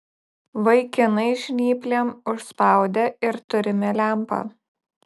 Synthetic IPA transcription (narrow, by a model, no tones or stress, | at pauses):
ʋɐɪkʲɪnɐɪʒʲnʲiːpʲlʲemʊʃspɑˑʊd̪ʲeɪɾt̪ʊɾʲɪmʲɛlʲæˑmpɑ̰